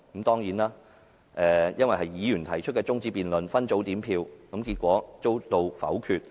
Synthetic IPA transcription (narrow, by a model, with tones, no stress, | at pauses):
kɐ˨˧˥mt̪ɔː˥ŋjiː˨˥nlaː˥ | ʔɛː˧jɐ˥nwɐ˨jhɐ˨˩jːiː˨˧jyː˨˩nt̪ʰɐ˨˩jt͡ʃʰɵ˥kɛː˧t͡sʊ˥ŋt͡siː˧piː˨nlɵ˨nfɐ˥nt͡so˨˥wt̪iː˨˥mpʰiː˧wkɐ˨˧˥mkiː˧t̚kʷɔː˨˥t͡so˥wt̪o˧wfɐ̰˨˥wkʰyː˧t̚